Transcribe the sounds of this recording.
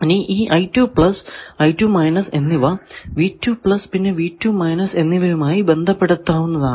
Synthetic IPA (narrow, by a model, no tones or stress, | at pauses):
niʔiːʔɐjtːjuːpɭɐsɐjtːjuːmɐjnɐse̞nːiʋɐʋiːtːjuːpɭɐspinːe̞ʋiːtːuːmɐjnɐse̞nːiʋɐjumaːjibe̞nd̪ʱɐpːe̞ɽut̪ːaːʋunːɐðaː